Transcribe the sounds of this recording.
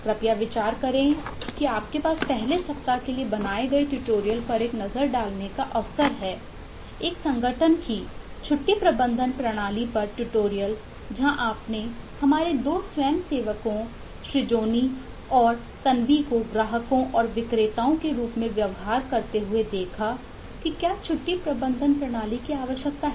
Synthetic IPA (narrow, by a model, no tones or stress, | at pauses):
kɾɐpjaʋɪt͡ʃaːɾkɐɾẽkiaːp̚kepaːspɛɦlesɐp̚t̪akeliebɐnaːeɡɐeʈuʈoːɾijəlpɐɾeːknɐzəɾɖaːlnekaʔɐʋsəɾɦɛː | eːksɐ̃ŋɡʱəʈʰənkit͡ʃʰʊʈːipɾɐbə̃nd̪ʱənpɾɐɽ̃aːlipɐɾʈuʈoːɾijəl | d͡ʒɐɦãʔaːpnehɐmaːɾed̪oːsʋɛːmseːʋəkõ | ʃɾɪd͡ʒoːni | ɔːɾ | t̪ɐnʋikoɡɾaːɦəkõʔɔːɾʋɪkɾeːt̪aːõkeɾuːpmẽʋjɐʋɦaːɾkɐɾt̪eɦʊed̪eːkʰa | kikjaːt͡ʃʰʊʈːipɾɐbə̃nd̪ʱənpɾɐɽ̃aːlikiaːʋəʃjək̚t̪aɦɛ